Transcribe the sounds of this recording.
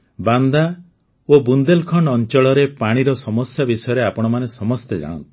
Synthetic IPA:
band̪a | obund̪elkʰɔɳɔnt͡ʃɔɭɔɾepaɽ̃iɾɔsɔmɔsjabisɔjɔɾeapɔɽ̃ɔmanesɔmɔst̪ed͡ʒa̰ɽ̃ɔ̰nt̪i̥

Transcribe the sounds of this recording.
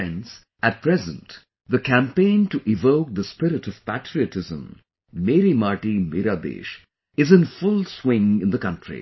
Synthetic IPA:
ɛ̃ns | æt̚pʰɾɛzə̃nt | d̪əkʰæ̃mpẽɪ̃nʈuʔɪvoʊk̚d̪əspɪɾɨʈɔv̥pæʈɾiɨtʰɪzə̰̃mː | eɾimaɾʈimeɾad̪ḛːʃ | ɨzɨ̃nfʊlˠswɪ̃ŋɪ̃nd̪əkʌ̃ntʰɹḭ

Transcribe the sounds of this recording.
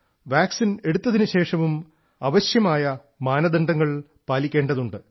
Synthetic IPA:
ʋaːksine̞ɽut̪ːɐðinuɕe̞ːʂɐmum | ɐʋɐɕjɐmaːjɐ | maːnɐd̪ɐɳɖɐŋːɐɭ | paːlikʲːe̞ːɳɖɐðuɳɖɨ

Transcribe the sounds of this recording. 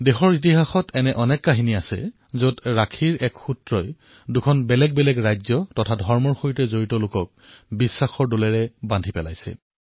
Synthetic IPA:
dexɔɹit̬iɦaxɔtʰɛnɛʔɔnɛkːaɦiniasɛ̰ | zodɹakʰiɹɛkxutɹɔj | dukʰɔnbɛlɛɡ̚bɛlɛɡɹajzɔtɔtʰadʱɔɹmɔɹxojitɛzoɹitɔlokɔk̚ | bisːaxɔɹdolɛɹɛbandʱipɛla̰jsɛ̰

